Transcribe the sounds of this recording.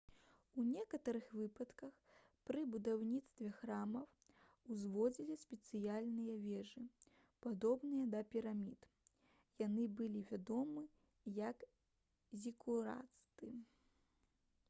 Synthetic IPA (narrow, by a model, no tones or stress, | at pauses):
unʲɛkɐt̪ɐɾɨxvɨpɐt̪kɐx | pɾɨbud̪awnʲit̪st̪vʲɛxɾamɐw | uzvɔd͡zʲilʲisʲpʲɛt̪sɨjalʲnɨjɐvʲɛʐɨ | pad̪ɔbnɨjɐd̪ɐpʲiɾamʲit̪ | janɨbɨlʲivʲad̪ɔmɨ | jɐk | zʲikuɾa̰t̪st̪ɨ